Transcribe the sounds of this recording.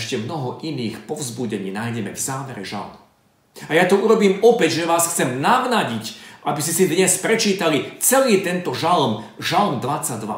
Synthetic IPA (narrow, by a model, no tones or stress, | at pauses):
ʃcɛmnɔɦɔʔiniːxpɔʊzbuɟɛɲiːnaːjɟɛmɛ̰vzaːʋɛɾɛ̰ʒa̰lm | ajat̪ɔuɾɔbiːmɔpɛɟʒɛʋaːsxt͡sɛmnaʋnaɟicʔabiscɛsid̪ɲɛspɾɛt͡ʃiːt̪alit͡sɛliːt̪ɛnt̪ɔʒalmʒalmd̪ʋat͡sːaɟ̚d̪ʋa̰